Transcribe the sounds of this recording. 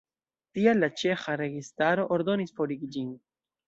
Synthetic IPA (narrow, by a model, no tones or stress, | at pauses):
tialːat͡ʃe̞xaɾe̞ɡistaɾo̞ʔoɾdo̞nisfo̞ɾiɡid͡ʒin